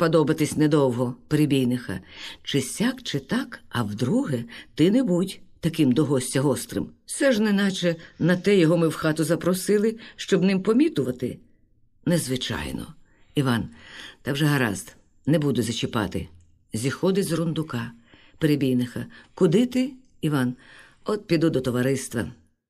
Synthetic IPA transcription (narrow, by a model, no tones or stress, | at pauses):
pɔd̪ɔbɐt̪ɪsʲnɛd̪ɔwɦɔpeɾebʲijnɪxɐ̰t͡ʃɪsʲakt͡ʃɪt̪ɑkɐwd̪ɾuɦɛt̪ɪnɛbutʲt̪ɐkɪmd̪ɔɦɔsʲtʲɐɦɔst̪ɾɪ̰msɛʒnɪnɑt͡ʃɛnɐt̪ɛjɔɦɔmɪwxɑt̪ʊzɐpɾɔsɪlˠɪʃt͡ʃɔbnɪmpɔmʲit̪ʊʋɐt̪ɪ | nɛzʋɪt͡ʃɑ̰jnɔ̰ | iʋɑnt̪ɑwʒɛɦɐɾɑ̰zd̪ | nɛbud̪ʊzʲɐt͡ʃɪpɑ̰t̪ɪ̰ | zʲixɔd̪ɪzrʊnd̪ʊkɑ | peɾebʲijnɪxɐkʊd̪ɪt̪ɪ | iʋɑn | ɔt̪̚pʲid̪ud̪ɔt̪ɔʋɐɾɪst̪ʋɐ